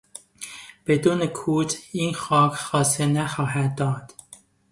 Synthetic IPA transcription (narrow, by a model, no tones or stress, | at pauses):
b̥ed̪uːnekʰuːt̪ʰiːnxɒːkʰxɒːsenæxɒːɦæd̪̚ːɒːd̪̥